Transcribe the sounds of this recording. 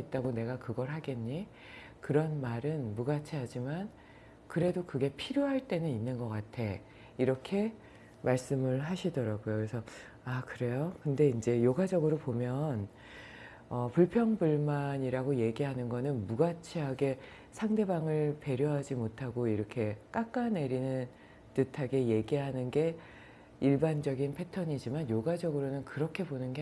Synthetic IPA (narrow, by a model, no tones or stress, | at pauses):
it̚t͈aɡone̞ɡakɯɡʌɾɦaɡe̞ɲɲi | kɯɾʌnmaɾɯnmuɡat͡ɕʰiɦad͡ʑiman | kɯɾe̞dokɯɡe̞pʰiɾjoɦaɭt͈e̞nɯninːɯnɡʌk͈atʰe̞ | iɾʌkʰe̞ | maɭs͈ɯmɯɭɦaɕʰidʌɾaɡojokɾesʰʌ | akɯɾe̞jokɯnde̞ind͡ʑe̞joɡad͡ʑʌɡɯɾopomjʌn | ʌpuɭpʰjʌŋbuɭmaɲiɾaɡoje̞ɡiɦanɯnɡʌnɯnmuɡat͡ɕʰiɦaɡe̞ | sʰaŋde̞baŋɯɭpe̞ɾjoɦad͡ʑimotʰaɡoiɾʌkʰe̞k͈ak͈ane̞ɾinɯn | tɯtʰaɡe̞je̞ɡiɦanɯnɡe̞ | iɭband͡ʑʌɡinpʰe̞tʰʌɲid͡ʑimanjoɡwad͡ʑʌɡɯɾonɯnkɯɾʌkʰe̞bonɯnɡe